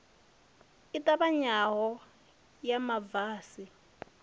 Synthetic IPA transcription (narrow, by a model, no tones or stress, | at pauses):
itʼabaɲaɦɔ | jamavaːsi